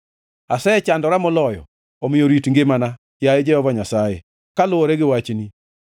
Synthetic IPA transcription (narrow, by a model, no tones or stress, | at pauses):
asɛɛt͡ʃandɔɾamʊlɔjɔ̰ | omɪjoɾitiŋɡemana | kjajed͡ʒɛhɔvaɲasajḛ | kalʊoɾeɡɪwat͡ʃini